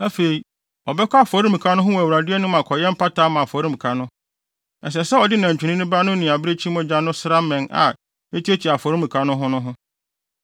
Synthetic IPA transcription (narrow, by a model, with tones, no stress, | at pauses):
æ˦fe˨i˨ | ɔ˨bɛ˦kʰʷa˦˨fɔ˨ɾi˦mĩ˨kʰa˦nʊ̃˦ɦʊ˦wɔ˨æ˨wɾa˨dɪ˦ɛ˦nʊ̃˦mã˨kʰɔ˨jɛ̃˦m̩˦pʰa˦taː˦mã˨fɔ˨˦ɾi˦mũ˨kʰa˨nʊ̃˦ | ɛ˨s̬ɛ˨sɛ˦ɔ˨dɪ˦nã˨ɲ˨t͡ɕᶣi˨nɪ̃˦nʊ̃˦ba˦nʊ̃˦nɪ̃˨a˨bɪ˦ɾe˦t͡ɕʰi˦mʊ̃˦d͡ʑã˦nːʊ̃˦sɪ˦ɾa˦mɛ̃˨na̰˨ | e˦tʰi˦e˦t͡ɕʰi˨a˨fɔ˨ɾĩ˦mũ˨kʰa˨nʊ̃˦ɦʊ̃˦nʊ̃˦ɦʊ̃˦